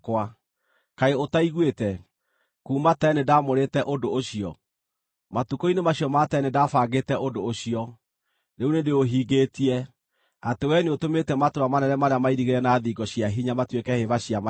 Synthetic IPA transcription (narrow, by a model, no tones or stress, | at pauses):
kwa | kaeotaiɣwetɛ | kuːmatɛnedamoɾetɛʔodooɕiɔ̰ | matukoinemaɕjɔmatɛnedafaɡetɛʔodooɕiɔ | neunendeoɦiːɡeːtiɛ | atewɛneotometɛmatoɾamanɛnɛmaɾeamaiɾiɣeɾɛnaːðiːɡɔɕiaɦiɲamatwekɛheβaɕiama